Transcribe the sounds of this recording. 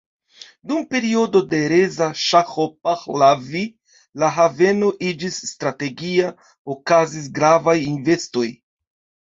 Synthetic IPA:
dumpe̞ɾio̞do̞de̞ɾezaʃaxop̚axlavi | laɦave̞no̞ʔid͡ʒisːtɾate̞ɡia | okazis̬ɡɾavajinve̞sto̞j

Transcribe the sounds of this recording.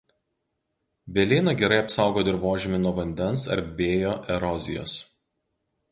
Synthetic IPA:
bʲɛlʲɪːnɐɡʲɛɾɐɪɐpsɑˑʊɡoːt̪ɪɾʋoːʒʲɪmʲɪnuɔʋɐnʲd̪ʲɛnsɐ̰ɾbʲeːjoːʔɛɾɔzʲɪ̰jo̰ːs

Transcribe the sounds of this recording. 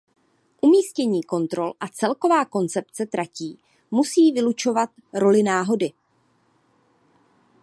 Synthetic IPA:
ʔumiːscɛɲiːko̞nt̪ɾo̞lʔat͡sɛlko̞vaːko̞nt͡sɛpt͡sɛt̪ɾaciː | musiːvɪlut͡ʃo̞vat̪ | ɾo̞lɪnaːɦo̞dɪ

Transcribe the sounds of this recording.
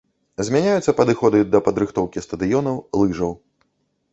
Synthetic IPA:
zʲmʲanʲajut̪sːɐpɐd̪ɨxɔd̪ɨd̪ɐpɐd̪ɾɨxt̪ɔwkʲist̪ɐd̪ɨjɔnɐwlˠɨʐɐw

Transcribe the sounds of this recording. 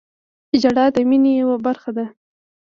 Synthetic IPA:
ɪd͡ʒaɽɑd̪əminejawabaɾxad̪a

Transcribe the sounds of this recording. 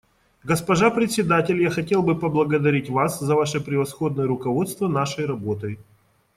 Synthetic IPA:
ɡəspɐʐapɾʲɪt̪ʲsʲɪd̪atʲɪlʲjaxɐtʲe̞lˠbɨpəblˠəɡəd̪ɐɾʲitʲvaszɐvaʂɨpɾʲɪvɐsxo̞d̪nəjəɾʊkɐvo̞t̪st̪vənaʂəjɾɐbo̞t̪əj

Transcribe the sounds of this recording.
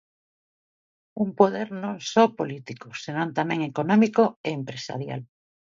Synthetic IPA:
umpoð̞eɾnõŋsopolit̪ikosenõnt̪amẽŋekonɔmikoeːmpɾesa̰ɾja̰l

